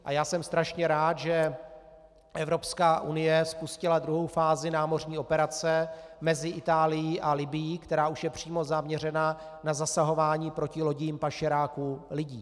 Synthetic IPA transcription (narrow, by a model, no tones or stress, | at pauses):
ʔa̰jaːsɛmst̪ɾaʃɲɛɾaːt̪ʒɛ | ʔɛvɾo̞pskaːʔunɪjɛspuscɪlad̪ɾuɦo̞wfaːzɪnaːmo̞rɲiːo̞pɛɾat͡sɛmɛzɪʔɪt̪aːlɪjiʔalɪbɪjiːkt̪ɛɾaːʔuʃjɛpr̝̥iːmo̞zamɲɛrɛna | nazasaɦo̞vaːɲiːpɾo̞cɪlo̞ɟɪjiːmpaʃɪɾaːkulɪɟiː